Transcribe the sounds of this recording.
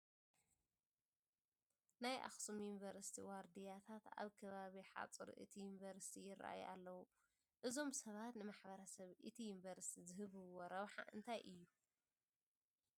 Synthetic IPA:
najʔa̰xsumjunvɐɾsi̥t̪ʰiwaɾd̪ijat̪ʰat̪a̰βkʰɐβaβiħa̰t͡sʼɨɾʔɨ̰t̪ʰijunvɐɾsi̥t̪ʰijɪɾa̰ʔa̰jʔa̰lːɐwu | ʔɨzo̞msɐβat̪nɨmaħbɐɾɐsɐβʔɨt̪ʰijunvɐɾsi̥t̪ʰizɨɦɨβɨwoɾɐβħa̰ʔɨ̰nt̪ʰajʔɨjːu

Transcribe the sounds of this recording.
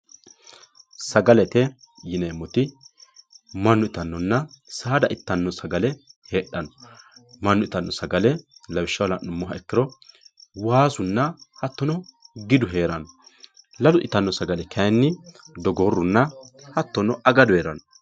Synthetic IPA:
sɐɡɐlɛt̪ɛ | jɪneːmːɔt̪ɪ | mɐnːʊɪt̪ɐnːɔnːɐsaːd̪ɐʔɪt̪ːɐnːɔsɐɡɐlɛheːɗːɐnɔmɐnːʊɪt̪ɐnːɔsɐɡɐlɛlɐwɪʃːɐwlɐnʊmːɔɦɐɛkːɪɾɔ | waːsʊnːɐhɐt̪ːɔnɔɡɪd̪ʊɦe̞ːɾɐnɔ | lɐlʊʔɪt̪ːɐnːɔsɐɡɐlɛkʰɐjnːɪ | d̪ɔɡɔrːʊnːɐhɐt̪ːɔnɔʔɐɡɐd̪ʊeːɾɐnɔ

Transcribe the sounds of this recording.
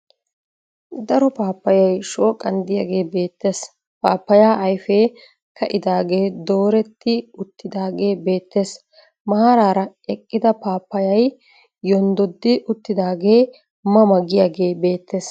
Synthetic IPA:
d̪ɐɾɔpaːpːɐjɐjʃo̞ːkʼːɐnd̪ɪjaːɡe̞ːbe̞ːt̪ːe̞ːs | paːpːɐjaːʔɐjfeː | kɐʔɪd̪aːɡe̞ːd̪o̞ːɾɛt̪ːɪʊt̪ːɪd̪aːɡe̞ːbe̞ːt̪ːe̞ːs | mɐhaɾaːɾɐ | ɛkʼːɪd̪ɐpaːpːɐjɐj | jɔnd̪ɔd̪ːɪʔʊt̪ːɪd̪aːɡe̞ː | mɐmɐɡɪjaːɡe̞ːbe̞ːt̪ːe̞ːs

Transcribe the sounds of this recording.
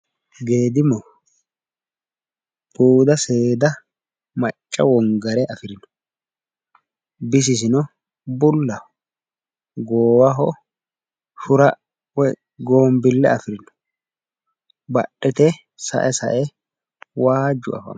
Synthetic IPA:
ɡe̞ːd̪ɪmɔ | b̥uːd̪ɐse̞ːd̪ɐ | mɐt͡ʃʼːɐwɔŋɡɐɾɛʔɐfɪɾɪn | bɪs̬ɪs̬ɪnɔ | bʊlːɐ | ɡoːwɐɦɔ | ʃʊɾɐ | wɛ | ɡoːmbɪlːɛ̰ɐfɪɾɪnʊ̥ | bɐ̰ɗːɛt̪ɛ | sɐ̰ʔɛsɐ̰ʔɛ | waːd͡ʒʊ̰ɐ̰fɐ̰m

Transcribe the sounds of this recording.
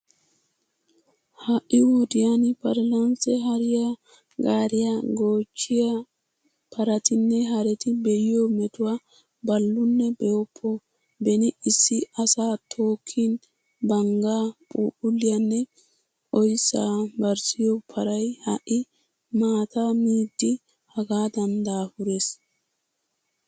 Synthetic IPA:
hɐʔːɪwɔd̪ɪjanɪpɐɾlɐnsɛɦɐɾɪja | ɡaːɾɪjɐɡoːt͡ʃːɪjɐ | pʰɐɾɐt̪ɪnːɛɦɐɾɛt̪ɪbɛjɪjomɛt̪ʊwa | bɐlːʊnːɛbɛjɔpʰːɔ | bɛnɪɪsːɪɐsaːt̪ʰo̞ːkʰːin | bɐŋɡaːpʼṵːʔʊlːɪjɐnːɛ | ʔɔjsaːbɐɾsɪjɔpʰɐɾɐjhɐʔɪ | maːt̪amiːd̪ːɪ | hɐɡaːd̪ɐnd̪aːhʊɾeːs

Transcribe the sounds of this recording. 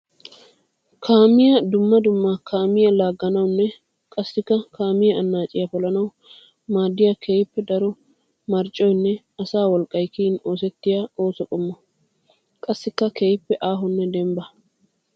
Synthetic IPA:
kʰaːmɪjɐd̪ʊmːɐd̪ʊmːɐkʰaːmɪjɐlaːɡːɐnɐwnːɛ | kʼɐsːɪkːɐkʰaːmɪjɐɐnːaːt͡ʃʼɪjɐpɔlɐnɐw | maːd̪ːɪjɐkʰeːjɪpːɛd̪ɐɾɔ | mɐɾt͡ʃʼːɔjnːɛ | ɐsaːwɔlkʼːɐjkiɪno̞ːs̬ɛt̪ːɪjao̞ːsɔkʼɔmːɔ | kʼɐsːɪkːɐkeːjɪpːɛʔaːɦɔnːɛd̪ɛmbɐ

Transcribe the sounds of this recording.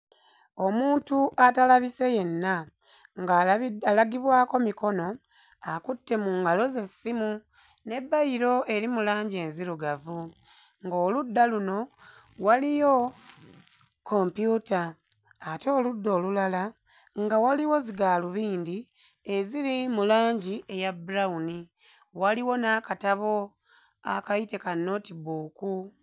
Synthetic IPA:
o̞muːntuʔatalaβise̞je̞nːa | ŋɡaalaɡiβwaːko̞miko̞no̞ | akutːe̞muːŋɡalo̞ze̞sːimu | ne̞bːaiɾo̞ʔe̞ɾimulaːɲɟeːnziɾuɡavu | ŋɡo̞ːludːaluno̞ | walijo̞ | ko̞ːmpjutaː | to̞ːludːo̞ːlulala | ŋɡawaliwo̞ziɡaːluβiːndi | eziɾimulaːɲɟiʔejabuɾauni | waliwo̞naːkataβo̞ | a̰kaite̞kano̞ːtiβuːku

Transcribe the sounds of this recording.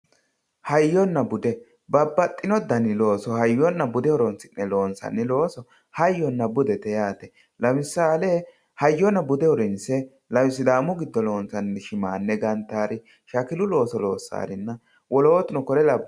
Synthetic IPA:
hɐjːɔnːɐbʊd̪ɛ | bɐbːɐt̪ʼːɪnɔd̪ɐnɪlo̞ːsɔhɐjːɔnːɐbʊd̪ɛɔɾɔnsɪnːɛlo̞ːnsɐ̰nːɪlo̞ːsɔ | hɐjːɔnːɐbʊd̪ɛt̪ɛjaːt̪ɛ | lɐmɪsːaːleː | hɐjːɔnːɐbʊd̪ɛɔɾɛnsɛ | lɐwɪsɪd̪aːmʊɡɪd̪ːɔlo̞ːnsɐnːɛʃɪmaːnːɛɡɐnt̪ːaːɾɪ | ʃɐkɪlʊlo̞ːsɔlo̞ːsːa̰ːɾɪnːɐ | wɔlo̞ːt̪ɪnɔkɔɾɛlɐb

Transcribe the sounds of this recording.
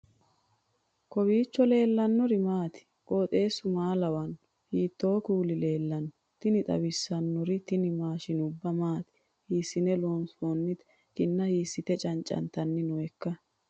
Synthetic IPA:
kɔbiːt͡ʃːɔle̞ːlːɐnːɔɾɪmaːt̪ɪ̥ | kʼoːt̪ʼe̞ːsʊmaːlɐwɐn | hiːt̪ːo̞ːkuːlɪle̞ːlːɐnːɔ | t̪ɪnɪt̪ʼɐ̰bɪsːɐnːɔɾɪt̪ɪnɪmaːʃɪnʊbːɐmaːt̪ɪ̥ | hiːsːɪnɛloːnsoːnːɪt̪ | kɪnːɐhiːsːɪt̪ɛt͡ʃʼɐnt͡ʃʼɐ̰nt̪ɐnːɪnɔɛkːɐ

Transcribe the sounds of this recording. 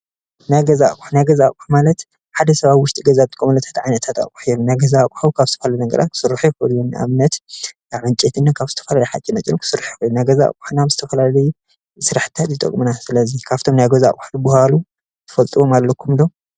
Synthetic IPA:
najɡɐzakʼuħnajɡɐzakʼuħmalɐt̪ | ħad̪ɐsɐβaβwʊʃt̪ʼiɡɐzabɨt̪ʼɨkʼomɐlɐt̪ʰḁt̪ʕajnɐt̪ʰat̪a̰kʼu̥ħijomnajɡɐzakʼħukʰaβzɨt̪ʰɐfɐlalnɡɐ̰ɾʔa̰t̪̚kʰɨ̥sɨɾaħujɛxɨlːunʔa̰βnɐt̪ | aʕɨnt͡ʃʼet̪ɨnːakʰaβzɨt̪ʰɐ̥fɐlalɐjħat͡ʃʼinɐt͡ʃʼinukʰɨ̥sɨɾaħjixɨjunajɡɐza̰kʼuħnaβzɨt̪ʰɐfɐlalɐj | sɨɾaħɨ̥t̪ʰat̪jit̪ʼɐ̰kʼmɨnasɨlɐzikʰaβt̪ʰo̞mnajɡɐzaa̰kʼuħdɨbʊhalu | t̪ʰɨ̥fɐlt̪ʼɨβo̞malːɐkʰːumd̪o

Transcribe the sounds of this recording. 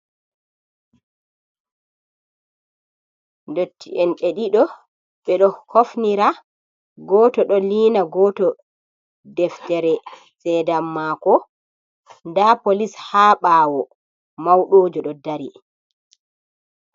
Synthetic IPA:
ndotʰːiʔɛnɗeɗiɗɔ | ɓɛɗɔkofniɾa | ɡɔtɔɗɔliːnaɡɔtɔ | dɛftɛɾɛ | sɛdamːaːkɔ | ndapolishaːɓaːwɔ | mawɗoːd͡ʒɔɗɔdaɾi

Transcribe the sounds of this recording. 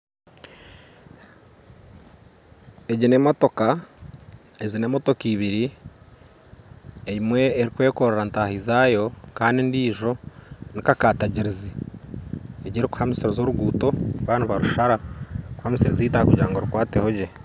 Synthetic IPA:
eɟine̞moto̞ka | eɟine̞moto̞kiːβiɾi | ejimwe̞ːɾikwe̞ːko̞ɾeɾantaːhizaːjo̞kaːndindiːʒo̞nikakaːtaɟiɾizi | eɟiɾiku̥hamisiɾezoɾuɡuːto̞βaːnaβaɾuʃaɾaku̥hamisiɾeziːtakuɟa̰ːŋɡoɾukwaːtehoɟe

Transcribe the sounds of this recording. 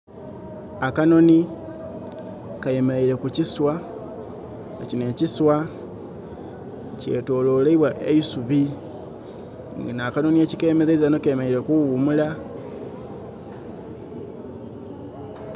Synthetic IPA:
akano̞ni | kaje̞meɾeiɾe̞kuciswa | ecineciswa | ce̞̰ːto̞ːlo̞ːleiβwaʔḛisuβi | ŋɡanaːkano̞niecikeːmezeizanokaemeeiɾekuumula

